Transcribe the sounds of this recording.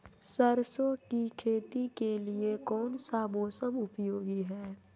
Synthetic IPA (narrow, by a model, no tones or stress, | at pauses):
səɾsokikʰeːt̪ikeliekɔːnsamoːsəmʊpjoːɡiɦɛː